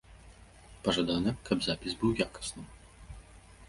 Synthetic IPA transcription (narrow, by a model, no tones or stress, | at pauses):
pɐʐad̪anɨkɐbzapʲizbɨwjakɐ̥snɨm